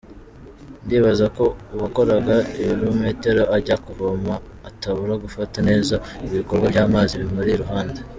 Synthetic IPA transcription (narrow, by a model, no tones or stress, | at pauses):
ndiβazako̞uβako̞ɾaɡaijɾume̞ːte̞ɾo̞aɾɟakuvomaː | taβuɾaɡufatane̞ːzaiβiko̞ɾɡwajɟaːmaziβimuɾiɾuɦaːnda